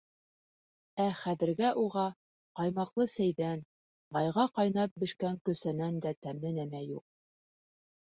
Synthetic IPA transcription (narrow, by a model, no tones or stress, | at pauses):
æχæðɘ̆ɾɡæʔuʁɑ | qɑjmɑqlˠɤsæjðæn | bɑjʁɑqɑjnɑp̚bɘ̆ʃkæŋkɵ̆sænænd̪æt̪æmɘnæmæjṵq̚